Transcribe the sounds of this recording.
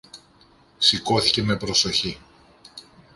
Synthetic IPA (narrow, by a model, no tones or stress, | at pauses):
siko̞θice̞me̞pɾo̞so̞çi